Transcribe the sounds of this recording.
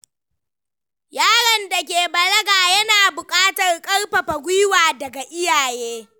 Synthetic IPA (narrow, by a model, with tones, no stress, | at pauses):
jaː˦ɽɐ˨nda˨k̬ʲeː˨bɐ˨lɐ˦ɡaː˨jɐ˦naː˨bʊ˨kʼaː˦tɐ˨rkʼɐ˦rɸɐ˨ɸɐ˨ɡʷi˦waː˨dɐ˨ɡa˨ʔɪ˦jaː˨jeː˦